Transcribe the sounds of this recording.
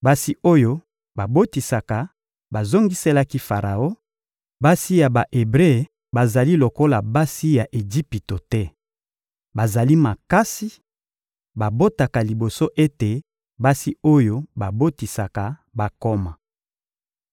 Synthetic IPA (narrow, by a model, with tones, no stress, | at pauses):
ba˦si˦o˦jo˦ | ba˨bo˦ti˨sa˨ka˨ | ba˨zo˦ŋɡi˦se˦la˦ki˦fa˨ʁa˨o˦ | ba˦si˦ja˨ba˨ʔe˨bʁe˦˨ | ba˨za˨li˦lo˨ko˦la˨ba˦si˦ja˨ʔe˨d͡ʒi˦pi˨to˨tɛ˦ | ba˨za˨li˦ma˨ka˦si˦ | ba˨bo˦ta˨ka˨li˨bo˨so˦ʔe˦te˨ | ba˦si˦o˦jo˦ba˨bo˦ti˨sa˨ka˨ba˨ko˦ma˨